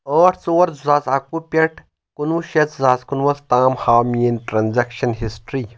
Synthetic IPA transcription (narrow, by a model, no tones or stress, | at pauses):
əːʈʰt͡soːɾzaːt͡saːkupʲeʈʰ | kunuʃɐt͡szaːskunʋɐst̪aːmhaːmiinʈɾanzɐkʃɐnɦisʈɾiː